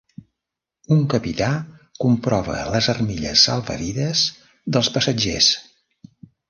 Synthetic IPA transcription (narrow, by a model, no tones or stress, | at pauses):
uŋkəpit̪akumpɾɔβə̰ləzərmiʎə̰sːəlˠβə̰ɾiðəz | ðəlˠspəsəd͡ʒḛs